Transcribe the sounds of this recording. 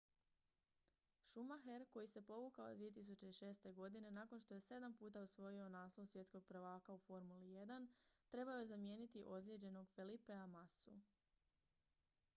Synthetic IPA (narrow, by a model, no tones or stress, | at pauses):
ʃumaxeɾko̞jise̞po̞ʋukao̰d̪ʋijet̪̬is̬ut͡ɕe̞iʃe̞ːst̪e̞ɡo̞d̪ine̞naːko̞nʃt̪o̞je̞se̞d̪ampuːt̪ausʋo̞jio̞naːslˠoʋusʋje̞t̪sko̞ɡ̚pɾ̩ʋaːkaufo̞ɾmulije̞d̪ant̪ɾe̞baojezamje̞ːnit̪iʔo̞zlʲed͡ʑe̞no̞ɡfelipeamasṵ